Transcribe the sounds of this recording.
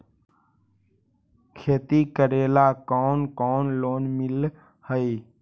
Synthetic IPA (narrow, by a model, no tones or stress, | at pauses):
kʰeːt̪ikəɾeːlakɔːnkɔːnloːnmɪl | həi